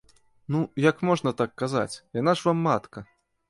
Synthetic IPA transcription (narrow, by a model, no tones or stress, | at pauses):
nujɐkmɔʐnɐt̪akːaza̰t͡sʲjan̪aʐvamːat̪kɐ